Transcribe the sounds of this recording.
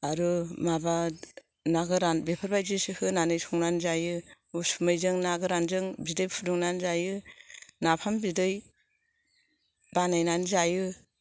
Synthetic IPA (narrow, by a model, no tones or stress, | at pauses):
aɾumaba | naɡɯɾanbepʰaɾbajzɯsɯhɯnanɯjsɔŋnanzajɯ | usumɯjzɯŋnaɡɯɾanzɯŋbidɯjpʰudɔŋnanzajɯnapʰambidɯj | banajnanzajɯ